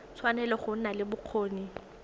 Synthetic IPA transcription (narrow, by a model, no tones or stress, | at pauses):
t͡sʰwanɛlɔχʊn̩nalɪbʊq͡χʰoːni